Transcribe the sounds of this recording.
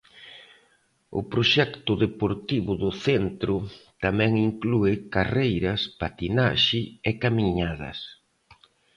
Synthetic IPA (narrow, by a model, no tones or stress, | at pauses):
ʊ̰pɾoʃɛkt̪ʊðepoɾt̪iβʊðʊθɛnt̪ɾʊt̪amɛ̃ŋiŋkluɪkarejɾɐspat̪inaʃɪekamiɲaðɐ̰s